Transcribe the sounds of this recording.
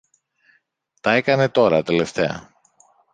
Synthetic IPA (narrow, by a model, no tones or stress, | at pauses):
t̪ɐe̞kɐne̞t̪o̞ɾɐt̪e̞le̞ft̪e̞ɐ̰